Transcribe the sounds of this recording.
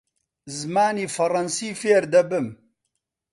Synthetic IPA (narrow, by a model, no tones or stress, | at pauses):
zmaːniːfɐɾɐnsiːfeːɾd̪ɐbɨm